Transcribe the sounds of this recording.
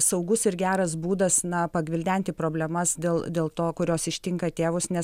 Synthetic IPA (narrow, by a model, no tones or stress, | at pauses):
sɐʊɡʊsɪɾɡʲæːɾɐs̬buːd̪ɐsnɐpɐɡʋʲɪlʲd̪ʲænʲt̪ʲɪpɾoːbʲlʲɛmɐsd̪ʲeːlˠd̪ʲeːlˠt̪oːkʊɾʲoːsɪʃʲt̪ʲɪŋkɐt̪ʲeːʋʊsnʲɛs